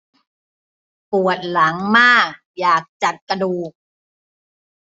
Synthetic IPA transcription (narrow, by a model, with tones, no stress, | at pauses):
pu˨˩ət̪̚la˩˦ŋmaː˥˩k̚jaː˨˩k̚t͡ɕa˨˩t̪̚ka˧duː˨˩k̚